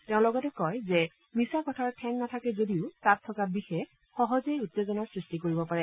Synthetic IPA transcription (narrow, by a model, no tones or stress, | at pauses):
teʊ̃lɔɡɔtɛkɔjzɛ | misakɔtʰaɹtʰɛŋnatʰakɛzodiʊtattʰːɔkabixɛx | xɔɦɔzeutːezɔnaɹsɹistikoɹibɔpaɹɛ